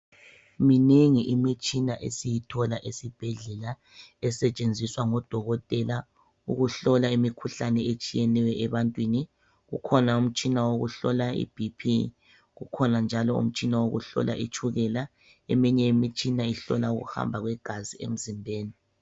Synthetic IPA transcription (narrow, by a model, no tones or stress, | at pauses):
mineŋiʔimit͡ʃʼinaʔḛsijitʰɔlaʔesib̥ʱɛɮɛla | ɛsɛt͡ʃʼend͡zʱiswaŋɔd̥ʱɔɣɔtʼɛla | uɣuɬɔlaimikʰuɬanɛet͡ʃʼijɛnɛwɛʔɛβantʼwini | ɣṵkʰɔnaum̩t͡ʃʼinawoɣṵɬɔlaḭb̥ʱipʰi | ɣukʰɔnand͡ʒʱalɔṵm̩t͡ʃʼinawoɣṵɬɔ̰lʔa̰ʔit͡ʃʰʼuɣɛla | emiɲɛimit͡ʃʼinaiɬɔ̰lauɣṵha̰mbʱaɣwɛɡ̥ʱaziḛm̩zimbʱeːni